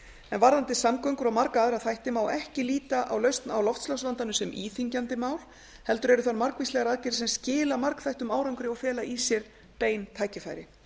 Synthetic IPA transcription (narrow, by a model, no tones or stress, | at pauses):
ɛnvaɾðant̪ɪsamkœɥŋkʏɾawmaɾkaaðɾaðθajht̪ɪmaːwɛhcɪliːt̪aʔa̰wlœɥst̪nawlɔft̪slasvant̪anʏsɛmʔiːθiɲcant̪ɪmaːwl̥ | hɛlt̪ʏɾɛɾʏθanmaɾkvislɛɣaɾaðcɛɾsɛmscɪːlamaɾkθajht̪ʏmaːwɾawŋkʏɾɪaɣfɛːlaʔisjɛɾ̥ | peːjnt̪ʰaːjcɪfa̰jɾɪ